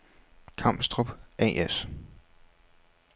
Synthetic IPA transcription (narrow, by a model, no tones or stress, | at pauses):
kʰɑ̈m̰b̥sd̥ʁob̥ɛ̰ːʔes